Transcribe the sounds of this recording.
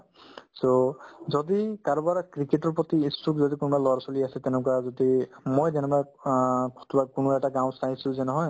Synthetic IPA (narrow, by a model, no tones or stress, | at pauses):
sozɔd̪ikaɹɔbaɹkɹikeʈɔɹpɔt̪iːsukzɔdikunbalɔɹsɔliasɛt̪ɛnʊ̃kwazɔd̪imojzɛnɛbaɹktbakʊnoɛʈaɡãw̃saj̃sʊ̃zɛnɔɦɔj